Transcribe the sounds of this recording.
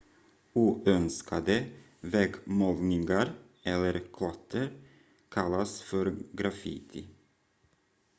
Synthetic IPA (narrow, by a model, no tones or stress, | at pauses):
uːʔœnskʰad̪ə | vɛɡmɔlnɪŋaɾ | ɛlːəɾkʰlɔt̪ʰːəɾ | kʰalːasfœɾɡɾafɪ̰t̪ʰɪ